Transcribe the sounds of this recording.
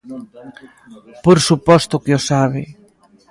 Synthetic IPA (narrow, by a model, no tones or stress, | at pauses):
poɾsupɔst̪okeosaβḛ